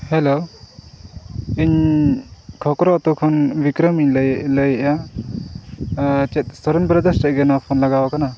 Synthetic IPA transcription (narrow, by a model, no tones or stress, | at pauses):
hɛlo | iɲ | kʰɔkɾɔt̪ɔkʰɔnbikɾəmiɲljləjʔa | t͡ʃɛt̪̚sɔɾɔnbɾəd̪əsɾəʔɡənapʰɔnlaɡawakana